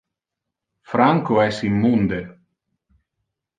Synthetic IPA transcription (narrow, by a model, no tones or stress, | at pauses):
fɾaŋkoɛsimːund̪e